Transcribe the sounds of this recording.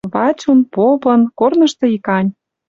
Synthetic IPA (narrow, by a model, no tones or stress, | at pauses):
βɑt͡ɕunpopɤ̆nkornɤ̆ʃt̪ɤ̆ikɑnʲ